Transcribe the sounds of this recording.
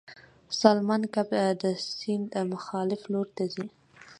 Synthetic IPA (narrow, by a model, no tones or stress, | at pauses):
salmɑnkabd̪əsɪnd̪mʊxɑlɪfloɾt̪azi